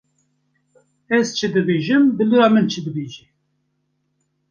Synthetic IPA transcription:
ɛzt͡ʃʰɨd̪ɨbeːʒɨmbɨluɾɑːmɨnt͡ʃʰɨd̪ɨbeːʒɛ

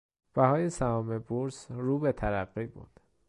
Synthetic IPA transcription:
b̥æhɒːjesæhɒːmebuɾsɾuːbet̪ʰæɾæɢːiːbṵːnd̪̥

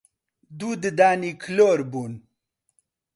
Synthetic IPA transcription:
d̪uːd̪əd̪aːnikʰloɾbun

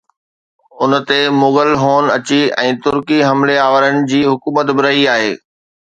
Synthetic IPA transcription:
ʊnt̪emʊɣəlɦoːnɐt͡ɕiɛ̃ːt̪ʊɾkiɦɐmleaːʋəɾənɪ̆d͡ʑiːɦʊkuːmət̪bɪɾɐɦiaːɦeː

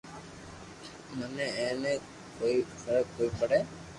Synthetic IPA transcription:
mənẽẽːnẽː | koːisəɾəkoːiːpəɽeː

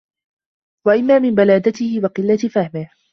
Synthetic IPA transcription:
waʔɪmːaːmɪmbalaːd̪at̪ɪhɪwɑqɨlːat̪ɪfahmɪh

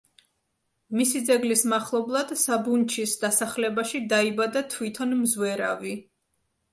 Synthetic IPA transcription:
misid̪zɛɡlismaχlˠɔblˠad̪̥sabunt͡ʃʰisd̪asaχlɛbaʃid̪aibad̪at̪ʰwit̪ʰɔnmzwɛɾa̰vi

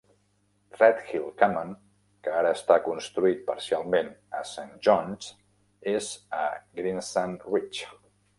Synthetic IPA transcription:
rɛt̪xilˠkaman | kəaɾəːst̪akunst̪ɾuit̪̚pə̰ɾsialˠmenəsanʒɔnz | ezə̰ɡɾinsanrit͡ʃ

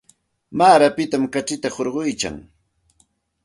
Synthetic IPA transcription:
maːɾapɪt̪amkaʈ͡ʂɪt̪ahoɾɢʊjt͡ʃa̰ŋ

